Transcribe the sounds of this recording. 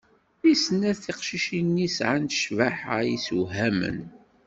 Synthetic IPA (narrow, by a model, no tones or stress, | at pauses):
isənːæθiqʃiʃinːisʕanʃvaħajisuɦæmə̰n